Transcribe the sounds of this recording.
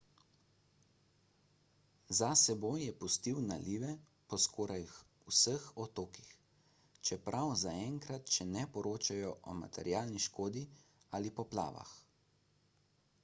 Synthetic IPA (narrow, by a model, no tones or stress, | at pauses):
zasɛbojːɛpust̪iwnaliːʋɛ | pɔskʰoːɾaj | usəxɔt̪oːkix | t͡ʃɛpɾʔawzaɛŋkɾat̪ʃɛnɛpɔɾoːt͡ʃajɔʔɔ̰ma̰t̪ʰɛɾjaːlniʃkoːd̪ialipɔpla̰ːʋa̰x